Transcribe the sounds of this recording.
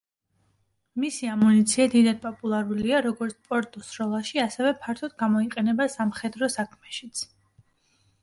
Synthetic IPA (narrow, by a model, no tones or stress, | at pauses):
misiamunit̪sʰiad̪id̪ad̪̚pʼɔpʼulˠaɾuliaɾɔɡɔɾt̪sʰpʼɔɾt̪ʼɔsɾɔlˠaʃiasɛvɛpʰaɾt̪ʰɔd̪̥̚ɡamɔiqʼɛnɛbasamχɛd̪ɾɔsakʰmɛʃit̪sʰ